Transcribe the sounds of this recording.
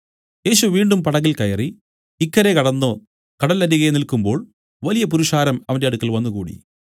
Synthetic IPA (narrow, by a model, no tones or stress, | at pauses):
je̞ːɕuʋiːɳɖumpɐɽɐɣilkɐjɐri | ikːɐɾe̞kɐɽɐnːo | kɐɽɐlɐɾiɣɐjenilkumbo̞ːɭ | ʋɐlijɐp̬uɾuʂaːɾɐmɐʋɐndeɐɽukːɐlʋɐnːukuːɽḭ